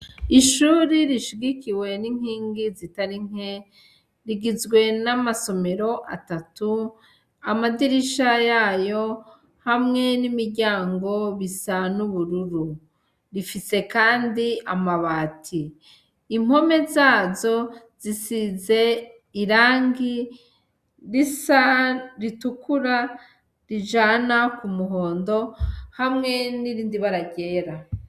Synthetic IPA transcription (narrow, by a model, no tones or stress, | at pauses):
iʃuːɾiɾiʃiɡikiwe̞niŋ̥hiːŋɡizitaɾiŋ̥e | ɾiɡizɡwe̞namaso̞me̞ɾo̞ʔa̰tatu | amadiɾiʃajaːjo̞ | hamŋe̞nimiɾɟaːŋɡo̞βisanuβuɾuɾu | ɾifise̞kaːndiamaβaːtʰiː | m̥ho̞me̞zaːzo̞z̥isize̞ | iɾaːŋɡi | ɾisaɾitukuɾa | ɾiʒanakumuɦo̞ːndo̞hamŋe̞niɾiːndiβaɾaɟe̞ːɾa